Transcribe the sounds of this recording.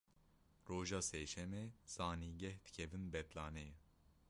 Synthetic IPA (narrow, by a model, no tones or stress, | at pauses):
roːʒɑːseːʃɛmɛz̥ɑːniːɡɛhd̪ɨ̥kʰɛvɨnbɛt̪lɑːneː